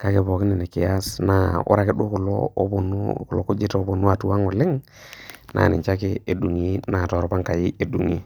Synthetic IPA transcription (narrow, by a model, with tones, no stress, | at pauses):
ka˦ke˨bɔ˨kɪ˦ni˨ne˨kɪ˨ja˦sna˨ʊ̰˦ɾa˨ke˦ɗu˦kʊ˨lo̰˦bnklo˨ku˦d͡ʒi˦to˦bo˨nu˦a˨tu˦wa˦ŋo˨lɪ˦ŋ | nʔa̰˨nɪ̰˨t͡ʃa˦kɪ˦e˨du˨ŋi˦na˨tɔ˨ɾpa˦ŋka˨ji˦e˨du˨ŋi˦